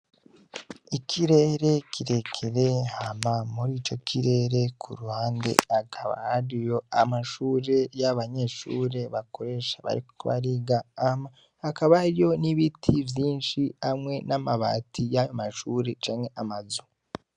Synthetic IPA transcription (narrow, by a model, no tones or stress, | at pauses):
ikʰiɾe̞ːɾe̞kʰiɾe̞kʰeɾehamamuɾiːt͡ʃo̞kʰiɾe̞ɾe̞kʰṵɾuhaːnde̞̰akʰaβa̰aɾijo̞amaʃuːɾe̞jaβaɲe̞ːʃṵːɾe̞βako̞ɾe̞ʃaβa̰ɾiko̥kuβa̰ɾiːɡaːmaː | kaβaɾijo̞niβitʰivjiːnʃiamŋe̞namaβa̰ːtʰijajomaʃuːɾe̞t͡ʃaːŋe̞ʔamazu